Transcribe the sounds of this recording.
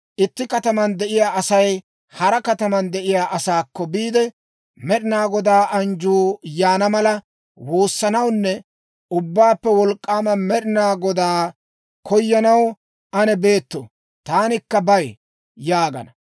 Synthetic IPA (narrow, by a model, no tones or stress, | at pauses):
ʔɪt̪ːɪkɐt̪ɐmɐnd̪ɛʔɪjaːʔɐsɐj | hɐɾɐkɐt̪ɐmɐnd̪ɛʔɪjaːʔɐsaːkːɔbiːd̪ɛ | mɛɗɪnaːɡɔd̪aːʔɐnd͡ʒuːjaːnɐmɐlɐ | wo̞ːsːɐnɐwnːɛ | ʊbːaːpːɛwɔlkʼːaːmɐmɛɾɪnaːɡɔd̪aː | kɔjːɐnɐw | ɐnɛbe̞ːt̪ːo̰ | t̪aːnɪkːɐbɐj | jaːɡɐ̰nɐ